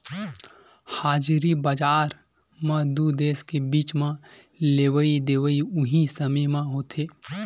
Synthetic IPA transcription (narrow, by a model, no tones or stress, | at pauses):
haːd͡ʒɾibad͡ʒaːɾ | mãd̪ud̪eːskebiːt͡ʃmã | leːʋəid̪eːʋəiʊɦisɐməmãɦoːt̪ʰeː